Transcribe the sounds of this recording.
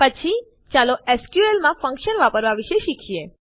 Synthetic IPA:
pət͡ʃʰi | t͡ʃaloʔɛskjuelmãfə̃ŋkʃənʋapəɾʋaʋiʃeʃikʰie

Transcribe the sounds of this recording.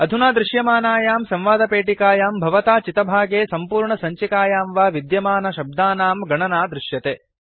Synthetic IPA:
ɐd̪ʱunaːd̪ɾɪʃjɐmaːnaːjaːmsɐ̃mʋaːd̪ɐpeːʈikaːjaːmbʱɐʋɐt̪aːt͡ʃit̪ɐbʱaːɡeːsɐmpuːɾɳɐsɐɲt͡ʃikaːjaːmʋaːʋid̪jɐmaːnɐʃɐb̚d̪aːnaːmɡɐɳɐnaːd̪ɾɪʃjɐt̪eː

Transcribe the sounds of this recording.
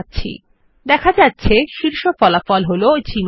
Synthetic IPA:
tːɕʰḭ | d̪ɛkʰad͡ʑatːɕʰeʃiɾʃofɔlafɔlɦolot͡ɕim

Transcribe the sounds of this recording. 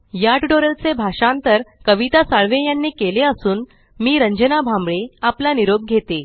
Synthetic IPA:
jaʈɖoɾəlt͡sebʱaʂãnt̪əɾkəʋit̪asaɭʋejanːiːkeleəsuːn | miːɾəɲd͡ʑənabʱambɭeaplaniɾob̚ɡʱet̪e

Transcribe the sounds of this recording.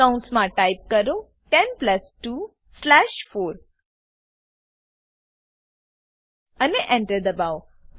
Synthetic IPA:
ãʊ̃ɳʈsmãʈaɪp̚kəɾo | ʈɛ̃npləsʈu | slæʃfoːɾ | əneʔɛ̃ɳʈəɾd̪əbaʊ

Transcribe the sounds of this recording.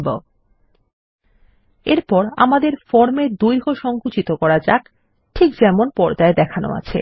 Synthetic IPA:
bo | eɾpɔɾa̰mad̪eɾfɔɾmed̪ujɦoʃɔŋkut͡ɕit̪okɔɾad͡ʑak | ʈʰikd͡ʑɛmonpɔɾd͡ʑaed̪ɛkʰano̰a̰t͡ɕʰḛ

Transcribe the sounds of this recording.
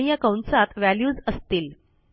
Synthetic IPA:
ijakawɳsat̪ʋæljuːd͡zəst̪iːl

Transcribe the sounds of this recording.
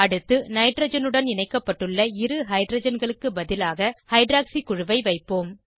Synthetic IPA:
ɐɽɯt̪ːɯnɐɪɖɾɐd͡ʒɐnɯɽɐnɪnɐɪkːɐpːɐʈːɯɭːɐɪɾɯɦɐɪɖɾɐd͡ʒɐnɡɐɭɯkːɯbɐðɪlaːɣɐhɐɪɖɾaːksikʊɻʊʋɐɪʋɐɪpːoːm

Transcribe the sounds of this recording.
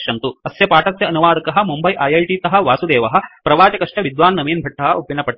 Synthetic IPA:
ʃɐnt̪uɐsjɐpaːʈɐsjɐɐnuʋaːd̪ɐkɐɦɐ̆mumbɐjʔɐjɐjʈiːt̪ɐɦɐ̆ʋaːsud̪eːʋɐɦɐ̆pɾɐʋaːt͡ʃɐkɐʂʈɐʋid̪ʋaːnːɐmiːnbʱɐʈʰːɐɦɐ̆upːinːɐpɐʈː

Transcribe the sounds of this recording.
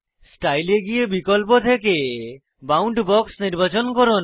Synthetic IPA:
sʈajleɡijebikolp̬ot̪ʰeke | bawɳʈbɔksniɾbat͡ɕonkoɾon

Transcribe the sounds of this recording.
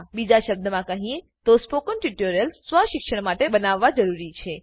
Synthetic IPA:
bid͡ʒaʃəb̚d̪əmãkəɦĩẽ | t̪ospokənʈiʈoɾjəlsʋaʃɪkʃəɽmaʈebənaʋːad͡ʒəɾuɾit͡ʃʰe

